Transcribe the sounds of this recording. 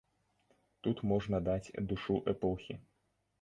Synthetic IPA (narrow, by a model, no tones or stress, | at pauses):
t̪ut̪mɔʐnɐd̪at͡sʲd̪uʂuʔɛpɔxʲi